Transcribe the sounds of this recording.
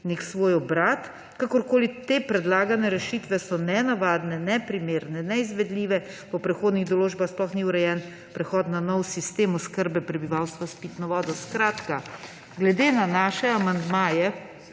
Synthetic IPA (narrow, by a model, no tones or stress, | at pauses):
neksʋoːjɔbɾaːt̪ | kakɔɾkoːlit̪eːpɾɛd̪laːɡanɛɾɛʃit̪ʋɛsɔnɛnaʋaːd̪nɛnɛpɾimeːɾnɛnɛizʋɛd̪liːʋɛpɔpɾɛxoːd̪niɣd̪ɔloːd͡ʒbaxsplɔxniuɾɛjɛn | pɾɛxɔːt̪nanɔwsist̪eːmɔskəɾbɛpɾɛbiʋawst̪ʋaspit̪nɔʋɔːd̪ɔskɾaːt̪ka | ɡlɛd̪eːnanaːʃɛamand̪maːjɛ